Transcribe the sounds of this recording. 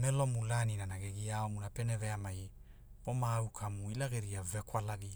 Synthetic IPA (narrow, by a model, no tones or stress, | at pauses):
melomulaninanaɡeɡiaomunapeneveamaj | omaːwkʰamuilaɡeɾiavekwalaɡi